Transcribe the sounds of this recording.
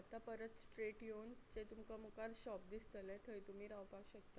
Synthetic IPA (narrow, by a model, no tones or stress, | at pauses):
at̪apəɾət̪sʈɾeʈjont͡ɕet̪umkamukaɾɕɔp̚d̪ist̪əlɛ̃t̪ʰəjt̪um̤iːɾaʋpawɕək̚t̪a